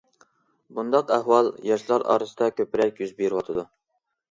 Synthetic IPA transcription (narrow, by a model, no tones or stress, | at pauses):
bund̪ɑqæhwɑlˠjɑʃlˠɑɾɑ̰ɾɨsəd̪ɑkʲøpɪɾɛkʲjyzbeɾɪwɑt̪ʰɨd̪u